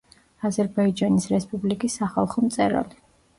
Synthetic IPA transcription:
azɛɾbaid͡ʒanisɾɛspʼublikʼisːaχa̰lˠχɔmt̪sʼɛɾa̰li

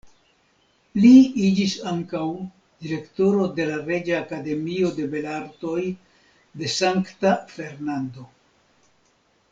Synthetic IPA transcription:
liid͡ʒisaŋkaw | d̪̥iɾe̞kto̞ɾo̞de̞laɾe̞d͡ʒaːkade̞mio̞de̞be̞laɾto̞j | de̞saŋktafe̞ɾnando̞

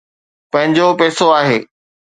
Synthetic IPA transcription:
pɐ̃ɦɪ̃ɲd͡ʑopɛːsoaːɦeː

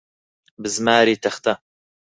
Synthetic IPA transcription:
bɨzmaːɾiːt̪ʰɐxt̪ɐ

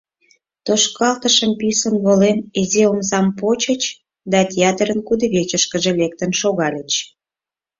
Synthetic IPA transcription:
t̪oʃkɑlt̪əʃəmpysənβolemezeomzɑmpot͡ɕət͡ɕ | d̪ɑt̪ʲeɑt̪əɾənkud̪ə̆βet͡ɕəʃkəʒelek̚t̪ənʃoɣɑlʲət͡ɕ

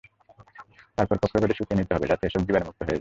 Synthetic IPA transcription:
t̪aɾpɔɾkɔkʰːɾokoʈeʃukɾenit̪eɦɔbḛd͡ʑat̪eeʃɔb̚d̪ibaɾemuk̚t̪oɦoet͡ɕ

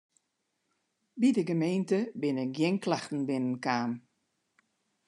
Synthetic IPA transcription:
bidəɡəmeːntəbɪnɪk̚ɡjɪnklaxtn̩bɪnənkaːm

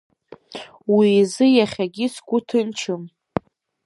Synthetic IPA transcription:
wiːzɨjaχʲaɡʲɪsɡʷʊtʰɨnt͡ʃʰɨm

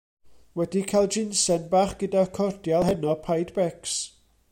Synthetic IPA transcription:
wɛdikʰajlˠd͡ʒɪnsɛnbaːχɡ̥ədakʰɔrd̥jalˠɦɛnɔpʰajdbɛks

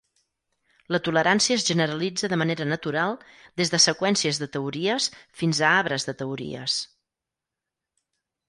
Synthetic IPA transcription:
lət̪uləɾansiəːzʒənəɾəlid͡zəðəməneɾənət̪uɾalˠd̪ezðəsəkwɛnsiəzðət̪əuɾiəsfinzəaβɾəzðət̪əuɾḭə̰s

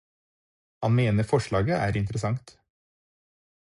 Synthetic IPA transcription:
hɑnmeːnəfɔʃɭɑːɡəʔæ̰ːɾɪnt̪ɾəsɑŋt̪

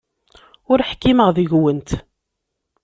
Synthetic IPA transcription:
ʊɾħkːiməʁðiʝwənt̪

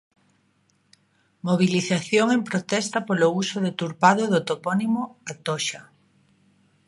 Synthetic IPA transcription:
moβ̞iliθaθjoŋempɾot̪ɛst̪ɐpolousoðet̪uɾpað̞oðot̪opɔnimoat̪oʃa

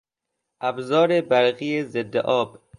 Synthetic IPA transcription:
ʔæbzɒːɾebæɾɣiːezed̪ːḛʔɒːb

